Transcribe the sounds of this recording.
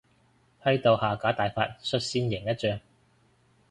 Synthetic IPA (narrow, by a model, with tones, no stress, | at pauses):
hɐ˥ɥt̪o˨˧whaː˨˩kaː˨˥t̪aː˨jfaː˧t̚sɵ˧t̚siː˧njɪ˨˩ŋjɐ˥t̚t͡ʃœː˧ŋ